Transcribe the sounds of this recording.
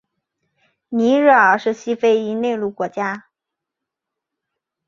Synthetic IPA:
ni˧˥ɻ̩˥˩ə˞˧˩ʂɻ̩˥˩ɕi˥fe˥ɪi˥ne˥˧ɪlu˥˩kwɔ˧˥t͡ɕja˥

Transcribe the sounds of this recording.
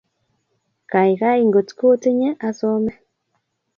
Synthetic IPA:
ka˨i˨ka˦i˦˨ŋɡo˨tko˦ti˦ɲɛ˦ʔa˦so˦mɛ˦

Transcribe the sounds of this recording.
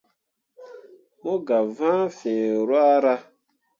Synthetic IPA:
mo˦ɡa˨vãː˦fẽ˨ɾwa˦ɾa˦

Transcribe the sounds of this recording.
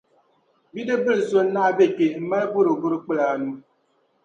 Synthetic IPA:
bi˦dɨ˦bɨ˦lɨ˨so˦n̩˦na˦˨be˦˨ke˨m̩˦ma˦lbo˦ɾo˨ɡʊ˦ɾɨ˦k͡pɨ˦laː˨nu˦

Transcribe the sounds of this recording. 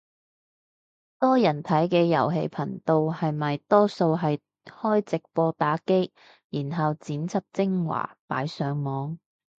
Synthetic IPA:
t̪ɔː˥jɐ˨˩nt̪ʰɐ˨˥jkɛː˧jɐ̰˨˩wɦḛ˧jpʰɐ˨˩ŋt̪o˨˧whɐ˨jmɐ˨jt̪ɔː˥so˧wɦɐ˨j | hɔː˥jt͡sɪ˨k̚pɔː˧t̪aː˨˥ke˥j | jiː˨˩nɦɐ˨wt͡siː˨˥nt͡sʰɐ˥p̚t͡sɪ˥ŋwa̰ː˨˩pa̰ː˨˥jsœː˨˥ŋmɔː˨˥ŋ

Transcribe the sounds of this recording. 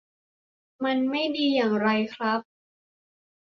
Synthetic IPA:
ma˧nma˥˩jdiː˧jaː˨˩ŋɾa˧jkʰɾa˦˥p̚

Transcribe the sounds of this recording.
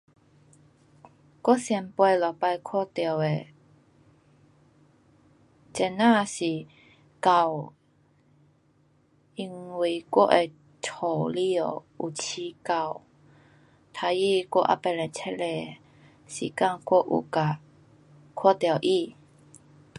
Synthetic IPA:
kɔ˥˨sjɛ˧˩npwe˧lɔ˨˩pa˧jkʰɔ˥˧t̪jɔ˨˩˨we˨ | t͡ɕɛ˧˩nã˥˧ɕi˨˩ | ka˨˩w | i˧ŋwi˨˩kwɔ̰˦˥ʔe˨ | tʰo˨˩li˧˩o˨ | u˨˩t͡ɕʰi˧ka˨˧˩w | t̪ʰa˧ji˥˧kɔ̰˥ʔa̰˦˨pɛ˧lɛ˨˩nt͡ɕʰɛ˦˥le˧˨ | ɕḭ˨˩ka˥˨ŋkwo˥˦ʔṵ˨˩ka˨˩ | kʰɔ˥˨t̪jə˨˩ʔi˥˧˨

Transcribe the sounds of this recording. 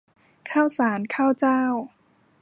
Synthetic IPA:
kʰaː˥˩wsaː˩˦nkʰaː˥˩wt͡ɕaː˥˩w

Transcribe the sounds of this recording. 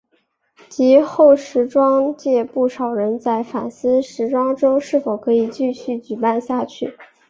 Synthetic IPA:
t͡ɕi˧˥xo˥˩ʊʂɻ̩˧˥ʈ͡ʂwɑ˥ŋt͡ɕjɛ˥˧pu˥˩ʂɑ˨˩ʊɻə˧˥nt͡sa˥˩ɪfa̰˨˩nsɹ̩˥ʂɻ̩˧˥ʈ͡ʂwɑ˥ŋʈ͡ʂo˥ʊʂɻ̩˥˩fo˨˩ʊkʰɤ˧˥i˨˩t͡ɕy˥˧ɕy˥˩t͡ɕy˨˩pa˥˧nɕja˥˧t͡ɕʰy˥˩

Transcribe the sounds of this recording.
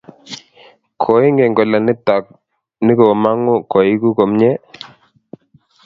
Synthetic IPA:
kʰɔ˨˦ɪ˦ŋɡɛ˨ŋɡɔ˨la˨nɪ˦t̪a˨k̚ | nɪ˦ko˨ma˦ŋʊ˦kɔ˨ɪ˦ku˦ko˨mɲɛ˦

